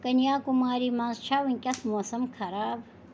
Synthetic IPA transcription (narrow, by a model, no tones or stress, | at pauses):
kɐnjaːkumaːɾiːmãːnzt͡ʃʰaːwunʲkʲɐsmoːsɐmkʰɐɾaːb